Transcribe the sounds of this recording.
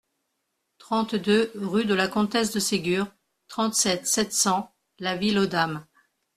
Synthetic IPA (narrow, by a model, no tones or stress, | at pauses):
t̪χɑ̃t̪d̪øʁyd̪əlakɔ̃t̪ɛs̬d̪əseɡʲyːʁ | t̪χɑ̃t̪sɛt̪sɛt̪sɑ̃ | lavilod̪am